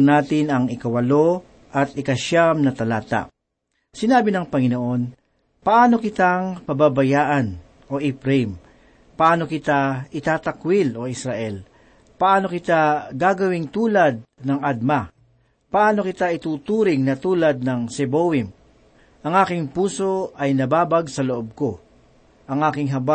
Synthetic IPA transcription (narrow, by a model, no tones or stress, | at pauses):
naːt̪ɪnɐŋɪkɐwɐlo̞ | ʔɐt̪ɪkɐʃamnɐt̪ɐlaːt̪a̰ | sɪnaːbɪnɐŋpɐŋɪnoʔo̞n | pɐʔaːno̞kɪt̪aŋpɐbabɐjaːʔan | ʔo̞ʔɪpɾɛjm | pɐʔaːno̞kɪt̪aʔɪt̪aːt̪ɐkwɪloʔɪsɾaʔɛl | pɐʔaːno̞kɪt̪aɡaːɡɐwɪŋt̪uːlɐd̪̚nɐŋad̪̚ma | pɐʔaːno̞kɪt̪aʔɪt̪uːt̪uːɾɪŋnɐt̪uːlɐd̪̚nɐŋsɛbowɪm | ʔɐŋʔaːkɪŋpuːso̞ʔɐjnɐbaːbɐɡsɐloʔob̚ko̞ | ʔɐŋʔaːkɪŋɦɐba